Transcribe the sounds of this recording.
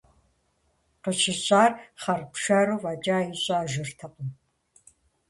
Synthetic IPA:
qəʃɪɕʼaːrχɐrpʂaɾuvad͡ʒʼaːjɪɕʼaːʒɪrtʰɐqʷʼʊm

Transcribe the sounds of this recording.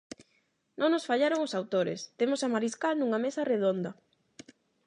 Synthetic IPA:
nʔõŋnosfaʎaɾoŋosawt̪oɾḛst̪emosamaɾiskalnuŋamesɐreð̞ond̪ɐ

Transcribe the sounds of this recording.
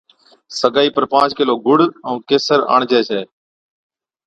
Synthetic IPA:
səɡaːiːpəɾpãːt͡ʃkɪloːɡʊɽəũːkeːsəɾa̰ːɳd͡ʒʱeːsʰeː

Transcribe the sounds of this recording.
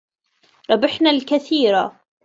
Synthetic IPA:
ɾˤɑbɪħnalkaθiːɾa

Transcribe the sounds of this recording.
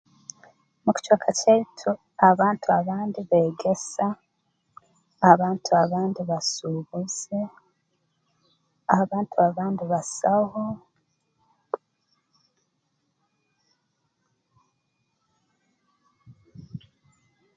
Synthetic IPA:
mucu̥t͡ʃwaːkʰacaitʰu | aβaːntʰuaβaːndiβe̞ːɡe̞sa | βaːntʰuaβaːndiβasuβuz̥e | aβaːntʰuaβaːndiβasaho

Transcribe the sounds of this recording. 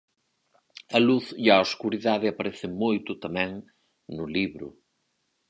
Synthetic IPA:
ɐluθiawskuɾiðaðɪɐpaɾɛθɪmojt̪ʊt̪amɛ̃ŋ | nʊliβɾʊ̰

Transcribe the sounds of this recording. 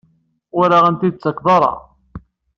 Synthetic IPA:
ʊɾaʁænt̪id̪̚t͡sːəkðˤɑɾˤɑ̰

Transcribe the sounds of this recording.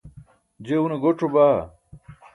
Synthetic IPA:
d͡ʑeuneɡoʈ͡ʂobaː

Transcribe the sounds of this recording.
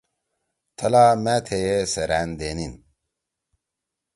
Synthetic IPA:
t̪ʰɐlaːmaːt̪ʰejesɐɾæːnd̪eːnin

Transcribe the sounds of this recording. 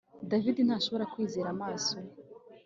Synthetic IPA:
davidinhaːʃo̞βo̞ɾakwiːzeːɾamaːso

